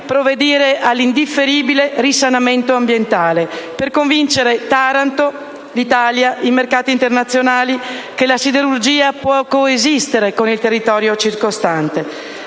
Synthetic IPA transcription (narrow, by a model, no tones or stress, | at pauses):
pɾoved̪iːɾeʔalːind̪ifːeɾiːbilerisanament̪oambjent̪aːleperkoɱvint͡ʃeɾet̪aɾant̪o | lit̪aːljaʔimerkaːt̪iːnt̪ernat̪sːjonaːlikelasid̪eɾurd͡ʒiːapwɔkoezist̪eɾekonilt̪erːit̪ɔːɾjot͡ʃirkost̪ant̪e